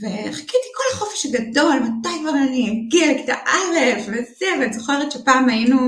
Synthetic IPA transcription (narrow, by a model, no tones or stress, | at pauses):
veχḁkit̪i̥ko̞laχo̞fe̥ʃaɡado̞lmat̪ajkvaʁaniaɡilki̥t̪aʔalefvesiavanizoχeʁetʃepaːmajinu